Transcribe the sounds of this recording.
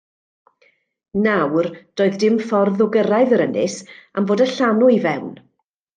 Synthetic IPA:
nawrd̥oːɨðdɪmfɔrðʊɡəɾaɨðəɾənɪ̰samboːdəɬanuivɛwn

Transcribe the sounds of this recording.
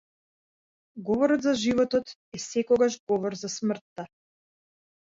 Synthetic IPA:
ɡɔvɔɾɔt̪zaʒivɔt̪ɔt̪ɛsɛkɔɡaʒɡɔvɔɾzasmr̩t̪ːa

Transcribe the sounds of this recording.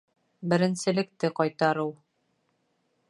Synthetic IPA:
bɘ̆ɾɘ̆nsɘ̆lɘ̆k̚t̪ɘqɒjt̪ɑɾɤw

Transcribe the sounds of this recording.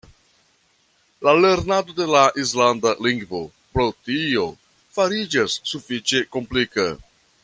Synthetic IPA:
lale̞ɾnado̞de̞laʔis̬landaliŋɡvo̞̰ | pɾo̞tio̞ | faɾid͡ʒasːufit͡ʃe̞ko̞mplika̰

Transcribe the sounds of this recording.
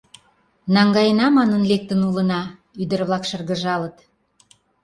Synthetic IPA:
nɑŋɡɑjənɑmɑnənlek̚t̪ənulənɑ | yd̪ərβlɑkʃə̆rɣə̆ʒɑlət̪

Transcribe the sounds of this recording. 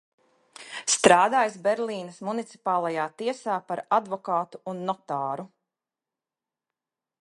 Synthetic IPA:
st̪ɾaːd̪aːjsbɛɾlˠiːnɐsmunit̪si̥paːlˠajaːt̪iɛsaːpaɾad̪vɔkaːt̪uunːɔt̪aːɾu

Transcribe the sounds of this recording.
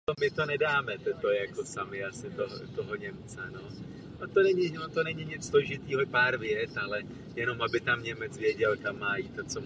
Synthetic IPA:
omɪt̪o̞nɛdaːmɛt̪ɛt̪ojɛjako̞samɪasɪt̪oɦt̪oɦoɲɛmt͡sɛno̞ | not̪o̞nɛɲɪnot̪o̞nɛɲɪɲɪt͡ssloʒɪt̪iːɦopaːɾvjɛtalɛ | jɛno̞mabɪt̪amɲɛmɛt͡svjɛɟɛlt̪amːaːjiːt̪ːot͡so

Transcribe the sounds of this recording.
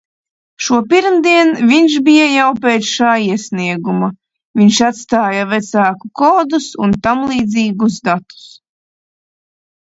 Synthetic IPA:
ʃuɔpiɾmd̪iɛnviɲʃbijajawpeːt̪sʃaːiɛsniɛɡuma | viɲʃat̪st̪aːjavɛt̪saːkukɔːd̪usunt̪amlˠiːd̪ziːɡusd̪at̪u̥s

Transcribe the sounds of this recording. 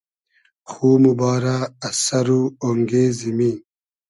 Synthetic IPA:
xuːmubaːɾaːsɐɾuoŋɡeːzimiː

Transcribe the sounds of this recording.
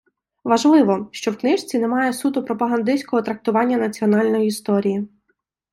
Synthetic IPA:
ʋɐʒlˠɪʋɔʃt͡ʃɔwknɪʃt͡sʲinemɑjɛsut̪ʊpɾɔpɐɦɐnd̪ɪsʲkɔɦɔt̪ɾɐk̚t̪ʊʋɑnʲːɐnɐt͡sʲiɔnɑlʲnɔjiist̪ɔɾʲiji

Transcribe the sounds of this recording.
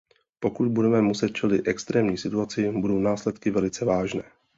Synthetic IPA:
po̞kut̪budɛmɛmusɛt̪̚t͡ʃɛlɪt̪ʔɛkst̪ɾɛːmɲiːsɪt̪uat͡sɪbudo̞wnaːslɛt̪kɪvɛlɪt͡sɛvaːʒnɛː

